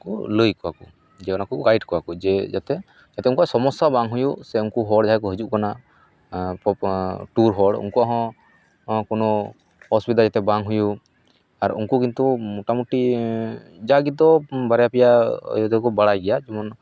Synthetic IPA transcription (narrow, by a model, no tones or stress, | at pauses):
kṵləjkɔwaku | d͡ʒɛɔnakuɡajʈkɔakud͡ʒɛd͡ʒat̪ɛ | d͡ʒat̪ɛuŋkuʔasɔmɔsabaŋɦujusɛuŋkuɦɔɽd͡ʒʱakɔɦəd͡ʒuʔkana | pɔʈuɾɦɔɽṵŋkuaɦɔ̃ | kɔnɔ | hɔspid̪ad͡ʒat̪ɛbaŋɦuju | aɾṵŋkukint̪umɔʈamuʈi | d͡ʒaɡid̪ɔbaɾɛjapija̰jɔd̪ekɔbaɽajɡɛjad͡ʒɛmɔn